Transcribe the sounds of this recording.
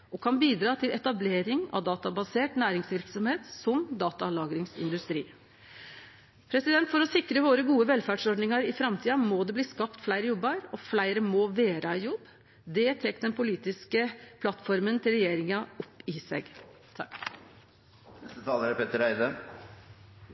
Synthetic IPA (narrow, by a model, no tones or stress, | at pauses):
ʔɔkʰɑnbiːd̪ɾɑːt̪ʰɪlɛt̪ɑbleːɾɪŋɑ̰ʋd̪ɑːt̪ɑbɑseːʈnæːɾɪŋsʋɪɾksɔmheːt̪sɔmd̪ɑːt̪ɑlɑːɡɾɪŋsɪ̰nd̪ʉst̪ɾḭː | pʰɾɛsɪd̪ɛnt̪fɔɾɔsɪkɾəʋoːɾəɡuːəʋɛlfæːɖʂɔɖnɪŋɑɾɪfɾɑmt̪ʰiːɑmɔd̪ɛbliːskɑpt̪flæɪɾəjɔbːəɾɔflæɪɾəmoːʋeːɾɑɪjɔbː | d̪ɛt̪ʰɛːkːd̪ɛnpʰʊliːt̪ɪskəpʰlɑt̪fɔɾmənt̪ʰɪlɾɛjeːɾɪŋɑɔpːɪsɛ̰ɡ | t̪ʰ | nɛst̪ət̪ʰɑːləɾəpʰɛt̪əɾæɪd̪ə